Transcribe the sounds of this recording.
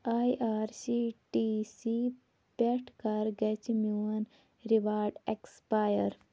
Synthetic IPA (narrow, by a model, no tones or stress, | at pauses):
ajʔaːɾsiʈisi | peʈʰkɐɾɡɛt͡ʃmuɐn | ɾiʋaːɾɖekspaːjəɾ